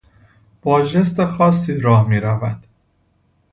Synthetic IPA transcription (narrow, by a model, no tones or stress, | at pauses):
b̥ɒːʒe̞st̪exɒːsːiːɾɒːhmiːɾævæd̪̥